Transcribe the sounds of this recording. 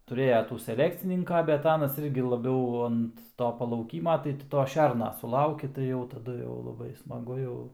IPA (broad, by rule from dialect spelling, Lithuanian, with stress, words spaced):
tʊˈrʲeːjɛ ˈtuː sʲɛˈlʲæːkt͡sʲɪnʲɪŋkɐ bʲɛt ˈɑːnɐs ˈɪrʲɡʲɪ lˠɐˈbʲɛʊ ɐnt ˈtoː pɐlˠɐʊˈkʲiːmɐ tɐɪ ˈtʲɪ ˈtoː ˈʃʲɛrnɐ sʊˈlˠɐʊkʲɪ tɐɪ ˈjɛʊ tɐˈdʊ jɛʊ lˠɐˈbɐɪ smɐˈɡʊ jɛʊ